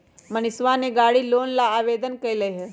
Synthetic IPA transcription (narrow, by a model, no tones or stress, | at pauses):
mɐnɪsʋaneɡaːɽiloːnlaːʋeːd̪ənkɐilɐeɦɛ